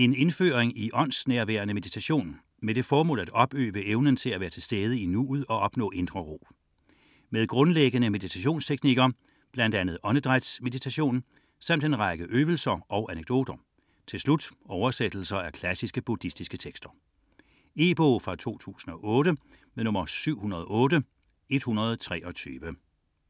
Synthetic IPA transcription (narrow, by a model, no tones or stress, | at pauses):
e̝ne̝nfø̰ːʁeŋiʔɒ̽n̰snæɐʋæ̰ɐnəme̝ðˠit͡sʰæɕo̝̰ːn | med̥e̝fɒːmɔ̰̽ːlˠæd̥ɒ̽b̥ø̰ːʋəʔeʊnən̩t͡sʰe̝læʋæːɐt͡sʰe̝lsd̥eːð̞ˠəinuuðˠɒ̽ɒ̽b̥nɔ̰ːe̝nd̥ʁɐʁo̝̰ː | með̞ˠɡ̥ʁɔ̽nleɡ̥ənəme̝ðˠit͡sʰæɕo̝̰ːnst͡sʰeɡ̥niɡ̥ɐ | b̥læn̰d̥ænð̞̩ˠɒ̽nəd̥ʁad̥sme̝ðit͡sʰæɕo̝̰ːn | sɑ̈m̰d̥e̝nʁɑ̈ɡ̥əʔøːʋəl̩sɐɒ̽ʊʔæneɡ̥̚d̥o̝̰ːd̥ɐ | t͡sʰe̝lslud̥ɒʊɐsed̥l̩sɐæɐkʰlæsisɡ̥əb̥ud̥isd̥isɡ̥ət͡sʰeɡ̥sd̥ɐ | e̝b̥ofʁɑ̈t͡sʰo̝̰ːt͡sʰṵːsn̩ɒ̽ʔɔ̽ːɾə | meðˠnɔ̽mɐsyʊ̰hunɐðˠɒʔɔ̽ːdə | e̝d̥hunɐð̞̩ˠt͡sʰʁɛ̰ːʔɒ̽t͡sʰyːʋə